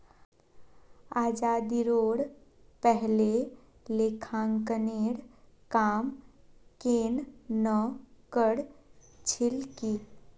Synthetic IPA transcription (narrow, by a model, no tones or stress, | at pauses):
aːd͡ʒaːd̪iɾoːɽ | pɛɦle | lekʰãːŋkəneːɽ | kaːmkeːnnəkəɽt͡ʃʰɪlki